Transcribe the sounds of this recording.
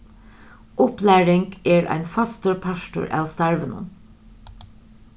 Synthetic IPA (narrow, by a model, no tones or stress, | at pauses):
ʔʊplæːɹɪŋɡeːɹʔæ̰ɪnfɑst̪ʊɹpʰæʃʈʊ̰ɹʔɑ̰ːʋst̪æɹʋənə̰n